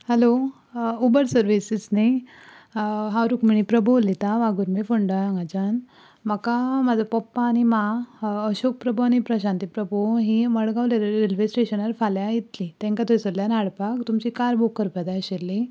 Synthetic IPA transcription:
helo | ubəɾsəɾʋisisne | ɦawɾukmiɽ̃ipɾəbʱolit̪aʋaɡuɾmefoɳɖaŋɡad͡ʑan | məkamad͡zapɔpːaːñimaəɕok̚pɾəboañipɾəɕãnt̪ipɾəbʱoɦiməɭɡaʋleɾelʋesʈeɕənəɾfaljajit̪lit̪ɛ̃ŋkat̪ojsəljanaɽpakt̪umt͡ɕikaɾbʱokːəɾpəd̪ajɕelːi

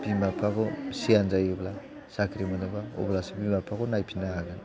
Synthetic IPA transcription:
bimapʰaɡɔsianzajobla | sakʰɾimanɔbao̰blasabimapʰakɔnajpʰinaaɡan

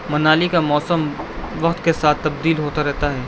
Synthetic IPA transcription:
mɐnaːlikamɔːsəmʋɐqt̪kesaːt̪ːɐbd̪iːlɦoːt̪aɾɛɦt̪aɦɛː

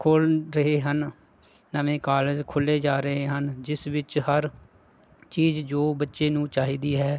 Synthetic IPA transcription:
kʰoːlɾəɦeːɦənː | əmẽːkaːld͡ʒkʰʊlːeːd͡ʒaːɾəɦeːɦənd͡ʒɪsʋɪt͡ʃhəɾ | t͡ʃiːzd͡ʒoːbətːʃeːnũːt͡ʃaːɦiːd̪iːɦɛː

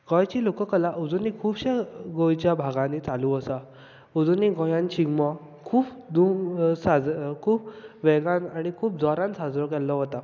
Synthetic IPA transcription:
ɡɔjt͡ɕilokəkəlaʔud͡zunikʰuːbɕeɡojt͡ɕjabʱaɡãnit͡saluəsa | ud͡zuniɡɔjãnt͡ɕʰiɡmɔ | kʰuːpd̪uŋsad͡zkʰuːpʋɛɡanaɽ̃ikʰuːp̚d͡zɔɾãnsad͡zɾɔkɛlːɔɦɔt̪a

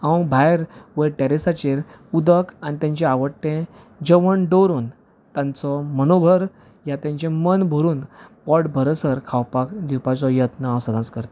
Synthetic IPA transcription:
ãwbʱajɾʋəʈeɾesat͡ɕeɾ | ud̪əkanit̪ãɲt͡ɕẽaʋəʈːẽ | d͡ʑəʋəɳɖoɾuːn | t̪ãnt͡sɔmənobʱəɾ | jat̪jãɲt͡ɕẽmənbʱəɾuːnpɔɽbʱəɾəsəɾkʰawpakd̪iwpat͡sɔjət̪nəasəd̪ʱãt͡skəɾt̪

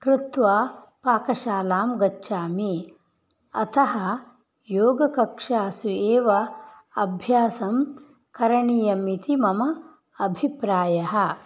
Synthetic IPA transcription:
kɾɪt̪ʋaː | paːkɐʃaːlaːmɡɐt͡ʃːʃaːmi | ɐt̪ʰɐɦɐ | joːɡɐkɐkʂaːsueːʋɐ | ɐbʱjaːsɐm | kɐɾɐɳijɐmit̪imɐmɐ | ɐbʱipɾaːjɐɦɐ̆

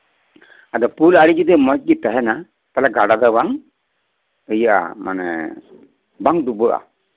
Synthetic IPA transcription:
ad̪ɔpulaɽid͡ʒid̪ɛmɔt̚ˀɡit̪ɛɦɛna | t̪alaɡaɽad̪awaŋ | əjaʔa̰ma̰nɛ̰ | baŋd̪ubəʔa̰

